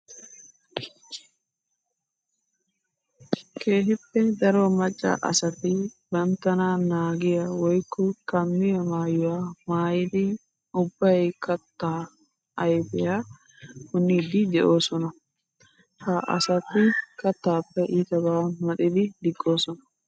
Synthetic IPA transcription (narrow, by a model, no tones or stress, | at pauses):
kʰeːɦɪpːɛd̪ɐɾoːmɐt͡ʃʼːa̰ʔɐ̰sɐt̪ːɪbɐnt̪ːɐnaːnaːɡɪjɐwɔjkːʊkɐmːɪjɐmaːjʊwaːmaːjɪd̪ɪ | ʊbːɐjkɐt̪ːaː | ɐjfɪja | kʊnːid̪ɪd̪ɛʔo̞ːsɔnɐ | hɐʔɐ̰sɐt̪ːɪkɐt̪ːaːpːɛʔɪt̪ɐbaːmɐt̪ɪd̪ɪd̪ɪɡʼːo̞ːsɔnɐ̥